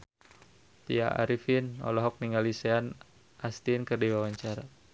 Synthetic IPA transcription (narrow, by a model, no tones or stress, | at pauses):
t̪ia̰ʔa̰ɾifinɔ̰lɔɦɔk̚niŋɡalisean | ast̪inkərdiwawaɲt͡ʃaɾa